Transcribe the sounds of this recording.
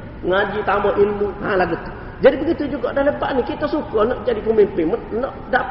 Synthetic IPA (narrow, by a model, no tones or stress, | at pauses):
ŋad͡ʒit̪ambaʔilmuhã̰laɡut̪u̥ | d͡ʒadibəɡit̪ud͡ʒuɡaʔdaləbaʔnikit̪asukɔnɔʔd͡ʒadikomenpimənnɔʔda